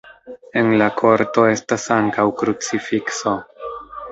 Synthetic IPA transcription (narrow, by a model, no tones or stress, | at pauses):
e̞nlakʰo̞ɾto̞e̞stasaŋkawkɾut͡sifikso̞